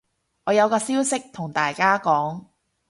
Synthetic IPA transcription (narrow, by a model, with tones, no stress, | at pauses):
ʔɔː˨˧jɐ˨˧wkɔː˧siː˥wsɪ˥k̚t̪ʰʊ˨˩ŋt̪aː˨jkaː˥kɔː˨˥ŋ